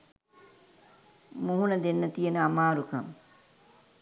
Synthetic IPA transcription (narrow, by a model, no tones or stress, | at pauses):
muɦunɐd̪enːɐt̪ijenəamaːɾukɐm